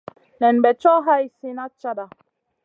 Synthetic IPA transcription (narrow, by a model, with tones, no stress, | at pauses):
nɛ˨n˨bɛ˨t͡ʃɔ˦ɦa˦i˦se˦na˦t͡ʃa˦da˨